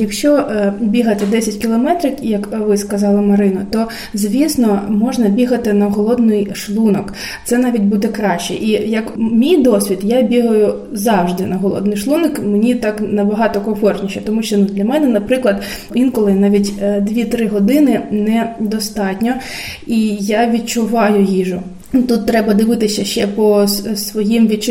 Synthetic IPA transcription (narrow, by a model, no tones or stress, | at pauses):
jɐkʃt͡ʃɔbʲiɦɐt̪ɪd̪ɛsʲɐtʲkʲilˠɔmɛt̪ɾʲɪkjɐkʋɪskɐzɑlˠɐmɐɾɪnɐt̪ɔ | zʲʋʲisnɔmɔʒnɐbʲiɦɐt̪ɪnɐɦɔlˠɔd̪nɪjʃlˠunɔk | t̪sɛnɑʋʲitʲbud̪ɛkɾɑʃt͡ʃɛ̰ʔijɐkmʲijd̪ɔsʲʋʲid̪jabʲiɦɐjʊ | zɑwʒd̪ɪnɐɦɔlˠɔ̰d̪nɪjʃlˠunɔkmenʲit̪ɑknɐbɐɦɑt̪ɔkɔfɔrnʲiʃɛt̪ɔmuʃt͡ʃɔnud̪lʲɐmɛnɛnɐpɾɪklˠɐd̪ | ʋʲinkɔlˠɪnɑʋʲitʲd̪ʋʲit̪ɾɪɦɔd̪ɪnɪnɛd̪ɔst̪ɑtʲnʲɔ | ijaʋʲit̪̚t͡ʃʊʋɑjʊjiʒʊ | t̪ut̪ːɾɛbɐd̪ɪʋɪt̪ɪsʲɐʃt͡ʃɛpɔsʋɔjimʋʲit͡ʃ